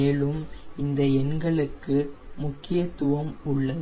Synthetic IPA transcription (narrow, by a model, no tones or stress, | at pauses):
eːlɯmɪnd̪ɐɛnɡɐɭɯkːɯmʊkːɪjɐt̪ʊʋɐmʊɭːɐ